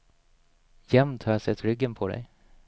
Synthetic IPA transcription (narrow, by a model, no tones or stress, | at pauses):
jɛmt̪ʰhɑsɛt̪ɾʏɡːənpʰɔd̪ɛ̰j